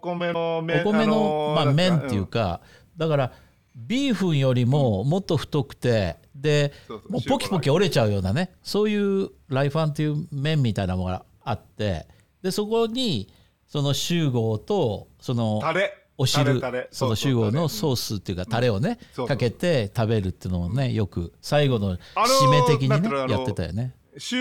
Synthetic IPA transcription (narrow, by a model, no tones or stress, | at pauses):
oko̞me̞no̞mamẽ̞nt̪ːe̞jɯ̟ːka̰ | d̪akaɾa | bʲiːɸɯ̟̃ɰ̃jo̞ɾʲimo̞mo̞t̪ːo̞ɸɯ̥t̪o̞kɯ̟̥t̪e̞d̪e̞moːpo̞kʲi̥po̞kʲio̞ɾe̞t͡ɕaɯ̟jo̞ːnane̞so̞ːjɯ̟ːɾaiɸãnt̪̬ːe̞jɯ̟ːmẽ̞mʲːit̪ainamoɡa̰ | at̪ːe̞̰ | d̪̥e̞so̞ko̞ɲ̟i | so̞no̞ɕɨːɡo̞ːt̪o̞so̞no̞ | o̞ɕiɾɯ̟so̞noɕɨːɡo̞ːno̞so̞ːsɨt̪ːe̞iɯ̟kat̪aɾe̞o̞ne̞kake̞t̪e̞t̪abe̞ɾɯ̟t̪ːeɯnoone̞jo̞kɯ̟̰saiɡo̞no̞ɕime̞t̪e̞kʲiɲinejat̪ːe̞t̪a̰jo̰ne̞